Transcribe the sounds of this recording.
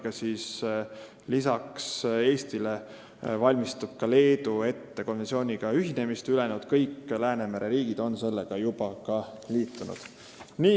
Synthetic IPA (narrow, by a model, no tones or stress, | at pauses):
ɡ̥ɑsis | lisɑkse̞ːst̪ile̞ | vɑlʲmist̪ub̥̚kɑle̞ːd̪ue̞t̪ːe̞ko̞nvensioːnʲiɡ̥ɑyɦine̞mist̪yle̞nud̪̥kɤjkːlæːne̞mæɾe̞ɾiːɡid̪̥o̞nse̞lːeɡ̥ɑjub̥ɑkɑliːt̪ːˑunṵd̪̥ | niː